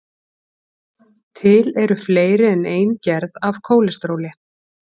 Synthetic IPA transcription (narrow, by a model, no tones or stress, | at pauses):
t̪ʰɪlɛɾʏfleːjɾɪɛneːjncɛɾðav̥kʰoːwlɪst̪ɾoːwlɪ